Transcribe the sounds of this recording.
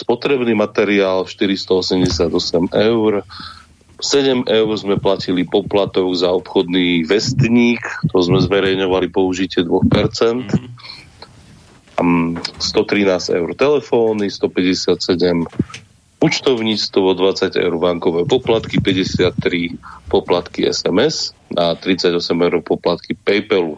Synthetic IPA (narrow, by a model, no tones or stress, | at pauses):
spɔt̪ɾɛbniːmat̪ɛɾiaːlʃt̪iɾist̪ɔɔsɛmɟɛsɪad̪ɔsɛmɛʊɾ | sɛɟɛmʔɛʊɾzmɛplacilipɔplat̪ɔɡzaɔpxɔd̪niːʋɛst̪ɲiːkt̪ɔzmɛzʋɛɾɛjɲɔʋalipɔuʒicɪɛd̪ʋɔxpɛɾt͡sɛnt̪ | st̪ɔt̪ɾinaːz̥ɛ̰ʊɾt̪ɛlɛfɔːnist̪ɔpɛɟɛsɪat̪sɛɟɛm | ut͡ʃt̪ɔʊɲit͡st̪ʋɔd̪ʋat͡saɟɛ̰ʊɾʋaŋkɔʋɛːpɔplat̪kipɛɟɛsɪat̪ːɾipɔplat̪kiɛ̰sɛmɛsat̪ɾit͡saɟɔsɛmɛʊɾɔpɔplat̪kipɛjpɛlu